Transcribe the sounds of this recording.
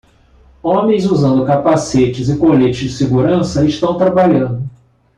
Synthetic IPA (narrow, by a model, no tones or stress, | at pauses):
õmẽj̃zuzɐ̃nd̪ʊkapaset͡ʃɪzɪkolet͡ʃɪzd͡ʒɪsɪɡuɾɐ̃sɐɪʃt̪ɐ̃w̃t̪ɾabaʎɐ̃nd̪ʊ